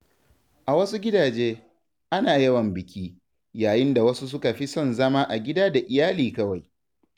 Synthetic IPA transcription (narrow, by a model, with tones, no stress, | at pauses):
ʔa˨wɐ˦su˦ɡʲɪ˦daː˨d͡ʒeː˦ | ʔa˦naː˨jɐ˦wɐ˨mbɪ˨kʲiː˦ | jaː˨jɪ˦nda˨wɐ˦su˦s̬ʊ˦ka˨ɸi˦sɔ˦˨nzɐ˦maː˦ʔa˨ɡʲɪ˦daː˦da˨ʔɪ˨jaː˦liː˨kɐ˦wa˨j